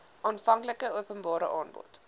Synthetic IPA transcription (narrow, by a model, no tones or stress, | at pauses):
ʔɑːnfɐŋkləkəuəpənbɑːɾə̰ʔɑːnbɔ̰t